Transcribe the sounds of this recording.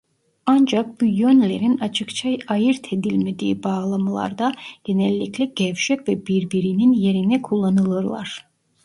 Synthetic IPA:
and͡ʒak̚bujønlʲe̞ɾinat͡ʃʰɯkt͡ʃʰajajɯɾt̪ʰe̞d̪ilʲme̞d̪ḭːbaːɣlˠamalˠa̰ɾd̪aɟ̥e̞nɛlʲːiclʲɛɟ̥ɛvʃɛvɛbiɾbiɾininje̞ɾinɛkʰulˠːanɯlˠɯɾlˠa̰ɾ̥

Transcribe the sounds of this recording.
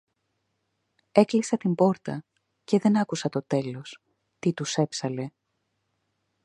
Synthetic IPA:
e̞klisɐt̪imbo̞ɾt̪ɐ | ce̞ðe̞nɐkusɐt̪o̞t̪e̞lo̞s | t̪it̪use̞psɐle̞

